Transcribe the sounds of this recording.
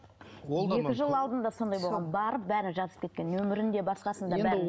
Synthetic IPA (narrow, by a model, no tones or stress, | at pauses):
oje̞ɪʒəlˠəɑlˠd̪ənd̪ɑso̞nd̪ɑjbo̞lˠʁɑnbɑɾəp̚bæɾɪnʒɑzəp̚kʲekʲe̞nːɵmɪɾɪnd̪e̞bɑsqɑsənd̪ɑbæɪ